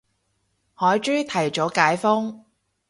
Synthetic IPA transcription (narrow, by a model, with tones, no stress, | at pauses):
hɔː˨˥jt͡ʃy˥ɥt̪ʰɐ˨˩jt͡ʃɔː˨˥kaː˨˥jfʊ˥ŋ